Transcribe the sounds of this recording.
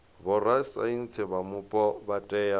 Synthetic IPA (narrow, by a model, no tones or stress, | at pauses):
bɔrasa̰in̩t͡sʰɛbamʊpʼɔbatʼɛja